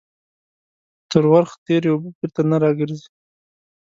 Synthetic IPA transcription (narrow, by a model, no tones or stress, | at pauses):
t̪əɾwaɾxt̪eɾjawbəbɪɾt̪anaɾɑɡəɾzi̥